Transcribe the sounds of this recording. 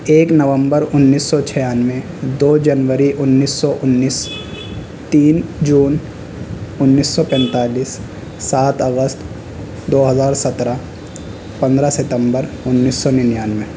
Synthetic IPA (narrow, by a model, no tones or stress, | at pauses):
eːknɐʋə̃mbəɾʊnːiːsːɔt͡ʃʰɛjaːnʋẽ | d̪oːd͡ʒənʋəɾiʔʊnːiːsːɔʔʊnːiːs | t̪iːnd͡ʒuːn | ʊnːiːsːɔpɛ̃ːnt̪aːliːsː | aːt̪ʰɐɡəst̪ | d̪oːɦɐzaːɾsɐt̪ɾa | pɐ̃nd̪ɾasɪt̪ə̃mbəɾ | ʊnːiːsːɔnɪnjaːnʋẽ